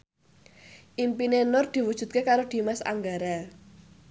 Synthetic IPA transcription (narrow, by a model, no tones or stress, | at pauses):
ʔimpinenʊrd̪̥i̤wud̥ʒ̥ṳt̪̚kekaɾod̪̥i̤masa̰ŋɡaɾa